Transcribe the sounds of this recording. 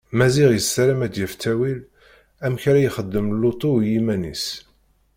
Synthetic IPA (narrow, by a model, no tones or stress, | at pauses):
mæziʁjəsːæɾæmæd̪jəft̪ʰæwil | æmçaɾæjχəd̪ːəmlːut̪ˤujimænḭs